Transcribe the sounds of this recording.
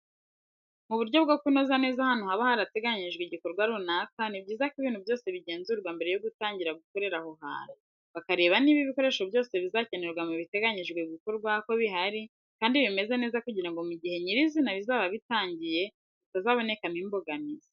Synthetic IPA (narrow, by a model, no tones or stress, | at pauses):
muβuɾɟo̞bɡokuno̞zane̞ːzahanuhaβahaɾate̞ɡaɲiʒɡweɟiko̞ɾɡwaɾuːnakanibɟiːzakiβiːnhuβvjo̞ːse̞βiɟe̞ːnzuɾɡwambe̞ɾejoɡutaːɲɟiɾaɡuko̞ɾe̞ɾahoɦa̰ːɾa | βakaɾe̞ːβaniːβiβiko̞ɾe̞ʃo̞bjo̞ːse̞βizace̞neɾɡwamuβite̞ɡaɲiʒɡweɡiko̞ɾɡwako̞βiɦaɾi | kaːndiβime̞ze̞ne̞ːzakuɟiɾaŋɡo̞muɟihe̞ɲiɾizinaβizaːβaβitaːɲɟije̞ | itazaβo̞ne̞kamimbo̞ɡamizḁ